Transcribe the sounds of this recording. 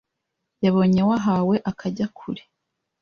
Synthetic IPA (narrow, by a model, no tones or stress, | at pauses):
jaβo̞ːɲe̞waɦawe̞ʔakʰaɟakʰṵɾi̥